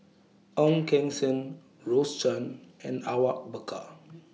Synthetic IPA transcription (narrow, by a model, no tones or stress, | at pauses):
ɔ̃mkɛ̃ŋsə̃n | ɹostə̃nɛ̰̃nawak̚bəkʰa̰